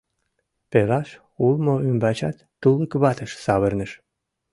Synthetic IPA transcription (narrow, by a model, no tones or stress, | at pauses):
pelɑʃ | ulˠmoymbæt͡ɕɑ̰t̪ːulˠnkəβɑt̪ə̆ʃsɑβə̆rnə̆ʃ